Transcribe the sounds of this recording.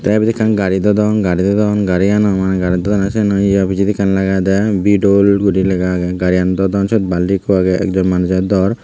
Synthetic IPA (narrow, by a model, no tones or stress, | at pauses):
t̪aabid̪ikʰanɡaɾid̪ɔd̪ɔnɡaɾid̪ɔd̪ɔnɡaɾianɔmanɛɡaɾid̪ɔd̪ɔnasɛnɔiabʱid͡ʒid̪ikʰanlaɡajd̪ɛbiɖolɡuɾilɛɡaɡɛɡaɾiand̪ɔd̪ɔnsɔt̪̚balikɔaɡɛɛ̰kd͡ʒɔnmanud͡ʒad̪ɔɾ